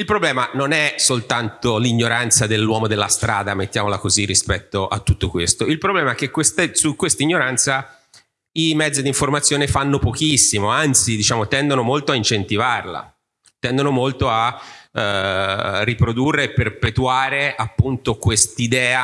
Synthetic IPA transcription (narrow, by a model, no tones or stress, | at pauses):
ilpɾoblɛːmanonɛsolt̪ant̪oliɲːoɾant̪sad̪elːwɔːmod̪elːast̪ɾa̰ːd̪amet̪ːjaːmolakozirːispɛt̪ːoʔa̰t̪ːut̪ːokwest̪oilpɾoblɛːmaɛk̟ːekːwest̪asukwest̪aiɲːoɾant̪sa | imɛd̪zːid̪iɱformat̪sːjoːnefanːopokisːimoant̪sid̪it͡ʃaːmot̪ɛnd̪onomolt̪oaint͡ʃent̪ivarla̰ | t̪ɛnd̪onomolt̪oa | rːipɾod̪urːeːpːerpet̪uaːɾeapːunt̪okwest̪id̪ɛːa